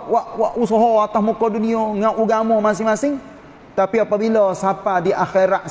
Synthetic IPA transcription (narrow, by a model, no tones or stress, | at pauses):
waʔwaʔusɔɦɔat̪ahmokɔdunioŋaʔuɡamɔmasɪŋmasɪŋ | t̪apiapabilɔsapadiʔaxeɾaʔ